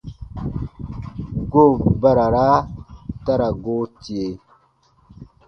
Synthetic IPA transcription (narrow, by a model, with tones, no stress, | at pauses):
ɡo˦˨ba˦ɾa˨ɾa˦ta˦ɾa˨ɡo˦ti˨e˨